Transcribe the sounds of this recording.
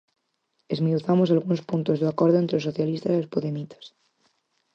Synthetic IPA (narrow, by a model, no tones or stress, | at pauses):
ezminuθamosalɣunospunt̪o̞zðeakwoɾðoent̪ɾeosoθjalist̪asilospoðemit̪ʰḁs